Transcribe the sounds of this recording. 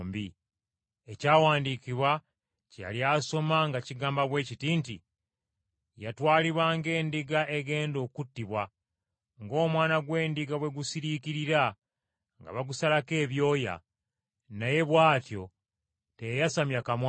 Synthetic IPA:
mbi | ecaːwaːndiːkiβwa | ceja̰ljaso̞maŋɡaciɡaːmbaβwe̞ːcitiːnti | jatwaːliβwaːŋɡe̞ːndiɡaʔeɡe̞ːndo̞ːkutːiβwa | ŋɡo̞ːmwaːnaɡwe̞ːndiɡawe̞ɡusiɾikiɾiɾa | ŋɡa̰βaɡusalake̞ːβjo̞ːja̰ | naje̞βwaːtjo̞ | tejasamjakamw

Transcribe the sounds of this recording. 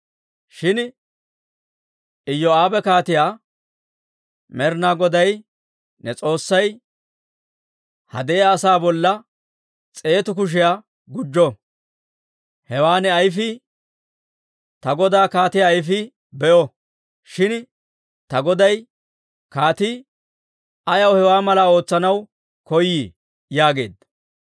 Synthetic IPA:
ʃɪn | ɪjːɔaːbɛkaːt̪ɪjaː | mɛɾnaːɡɔd̪ɐj | nɛt͡sʼo̞ːsːɐj | hɐ̰d̪ɛjaːsaːbɔlːɐ | t͡sʼe̞ːt̪ʊk̬ʊʃ̬ɪjaː | ɡʊd͡ʒːɔ | hɛwaːnɛɐjfɪ | t̪ɐɡɔd̪aːkaːt̪ɪjaːjfɪ | bɛʔɔ | ʃɪn | t̪ɐɡɔd̪ɐj | kaːt̪i | ɐjɐwhɛwaːmɐlao̞ːt͡sːɐnɐw | kɔjːiː | jaːɡe̞̰ːd̪

